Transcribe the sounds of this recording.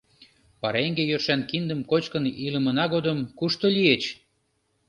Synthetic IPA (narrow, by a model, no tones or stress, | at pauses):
pɑɾeŋɡejørʃænkind̪əmkot͡ɕkənilə̆mə̆nɑɣod̪əmkuʃt̪olʲiet͡ɕ